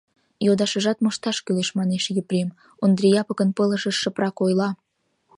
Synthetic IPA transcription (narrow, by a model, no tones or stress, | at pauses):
jod̪ɑʃəʒɑt̪moʃt̪ɑʃkyleʃmɑneʃjypɾem | ond̪rijɑpəkənpələ̆ʃəʃːəprɑkojlɑ